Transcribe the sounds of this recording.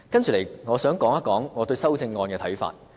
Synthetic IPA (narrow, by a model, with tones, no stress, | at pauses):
kɐ˥nt͡ʃy˨˩lɐ˨˩jŋɔː˨˧sœː˨˥ŋkɔː˨˥ŋɐ˥kɔː˨˥ŋːɔː˨˧t̪ɵ˧ɥsɐ˥wt͡sɪ˧ŋːɔː˧nkɛː˧t̪ʰɐ˨˥jfa̰ː˧t̚